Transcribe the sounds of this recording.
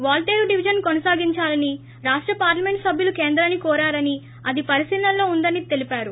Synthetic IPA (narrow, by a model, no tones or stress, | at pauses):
ʋaːlʈeːwɖiʋid͡ʒɐnkonɐsaːɡiɲt͡ʃaːlɐni | ɾaːʂʈɾɐpaːɾlɐme̞ɳʈsɐbʱjulukeːnd̪ɾɐnːikɔːɾaːɾɐni | ɐd̪ipɐɾisiːlɐllːo̞ːund̪ɐnit̪e̞lipaːɾu